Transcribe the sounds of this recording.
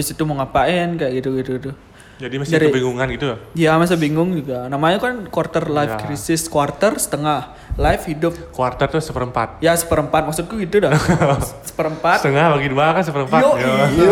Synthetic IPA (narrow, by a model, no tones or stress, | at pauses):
bisit̪uməŋapaɪnkajaʔɡit̪uɡit̪uɡit̪u | d͡ʒadimasdaɾibiŋɡuŋanɡit̪ujamas̬abiŋɡʊŋd͡ʒuɡanamaɲakankwart̪ərlajfkɾisɪskwart̪ərsə̥t̪əŋah | lajfhidʊp̚kuart̪ərt̪ʊsəpəɾəmpa̰t̪̚jasə̥pəɾəmpat̪̚maksut̪̚kuɡit̪uda | sə̥pəɾəmpat̪t̪əŋahbaɡiduakansəpəɾəmpao